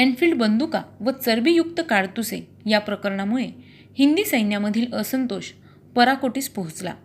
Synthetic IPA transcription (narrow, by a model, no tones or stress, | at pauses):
ɛnfiɭɖbənd̪ukaʋət͡səɾbijuk̚t̪əkaɽt̪use | japɾəkəɾɳamuɭe | hind̪iːsəjnjaməd̪ʱiːləsənt̪oɕ | pəɾakoʈiːspəɦut͡sla̰